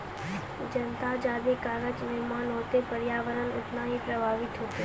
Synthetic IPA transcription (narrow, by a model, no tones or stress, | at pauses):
d͡ʒənt̪ad͡ʒad̪ekaːɾət͡ʃnɪmãnɦot̪epəɾjaːʋəɾənʊ̰t̪najepɾəbʱaʋɪt̪ɦot̪e